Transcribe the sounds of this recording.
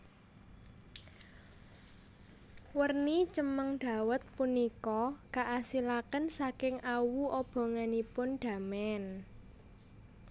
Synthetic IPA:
wərnit͡ʃəməŋɖ̪̥ä̤wət̪̚punikɔkaʔasilakənsakɪŋʔawuʔɔb̥ɔ̤ŋanipʊnɖ̪̥ä̤mɛn

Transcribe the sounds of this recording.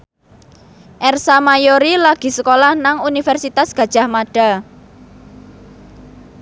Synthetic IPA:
ʔɛrsamajoɾilaɡ̥i̤səkolahnaŋunifɛrsit̪asɡ̥ä̤d̥ʒ̥a̤hmaɖ̥a̤

